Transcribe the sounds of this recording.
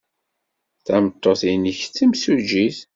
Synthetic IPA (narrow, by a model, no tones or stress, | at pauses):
θæmt̪ˤːoθiniçt͡sːimsud͡ʒiθ